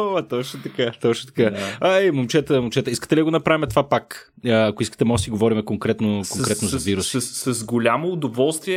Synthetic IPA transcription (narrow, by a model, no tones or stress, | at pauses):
oɐt̪ɔt͡ʃnʊt̪ɐkat̪ɔt͡ʃnʊt̪ɐ̥kaaɛmomt͡ʃɛt̪əmomt͡ʃɛt̪əiskə̥t̪ɛlid̪əɡoʊnɐpɾavʲimɛt̪ovapak | əɐkʊiskə̥t̪ɛmɔʒsiɡovɔɾimɛkoŋkɾɛt̪nʊkoŋkɾɛt̪noʊzɐviɾusi̥sɐzɡolʲamoːd̪ovɔlˠst̪viɛ